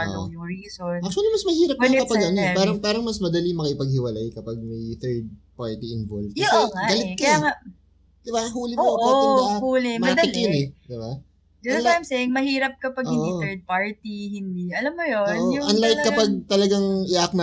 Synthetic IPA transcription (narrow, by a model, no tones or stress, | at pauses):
ʔo̰jʊŋɹiːsonʔak̚t͡ʃʊuɐlimɐsmɐhiːɾɐp̪̚ɐkɐpɐɡɐnipaːɾɐŋpaːɾɐŋmɐsmɐd̪ɐlimɐkɐɪpɐɡ̚hɪwɐlajkɐpɐɡ̚mɐjθɛɹd̪̚paɹt̪iɪnvolvsɛŋaɡɐlɪkɐjaŋa | d̪̥ɪbaɦuːlɪoaɐhuːlɪmɐɐd̪ɪkonɛd̪ɪba | d̪ɪlajmsɛŋmɐhiːɾɐp̚kɐpɐɡohɪnːʔ̪oiɛɹd̪̚paɹt̪ihɪnd̪iʔɐlɐmːojonjʊʔɐnlajt̪kɐpɐɡ̚t̪ɐlɐɡaŋɪʔak̚nɐ